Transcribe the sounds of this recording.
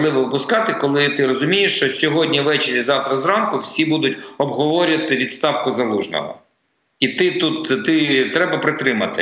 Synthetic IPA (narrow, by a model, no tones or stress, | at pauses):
lˠɪʋɔʋɪpʊskɑt̪ɪkɔlˠɪt̪ɪɾɔzʊmʲijeʃt͡ʃɔsʲɔɦɔdʲnʲiʋɛt͡ʃɪɾʲjizɑwt̪ɾɐzɾɑnkʊwsʲibud̪ʊtʲɔbɦɔʋɔɾʲʊɐt̪ɪʋʲid̪st̪ɑwkʊzɐlˠuʒnɔ̰ɦɔ̰ | it̪ɪt̪ut̪t̪ɪt̪ɾɛbɐpɾɪt̪ɾɪmɐt̪ɪ̰